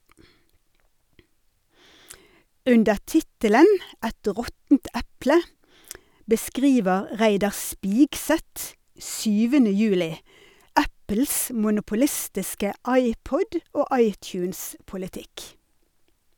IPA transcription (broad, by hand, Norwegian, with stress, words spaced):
ˈʉndə ˈʈɪtələn ˈɛt ˈʁɔtn̩t ˈæplə bəˈskʁiːʋəʁ ˈʁæɪdɑʁ ˈspɪɡsɛt ˈʃyːʋənə ˈjʉːlɪ ˈæpl̩s mʊnʊpʊˈlɪstɪskə ˈɑɪˌpɔd ˈoː ˈʔɑɪˌtjʉːns pʊlɪˈtɪk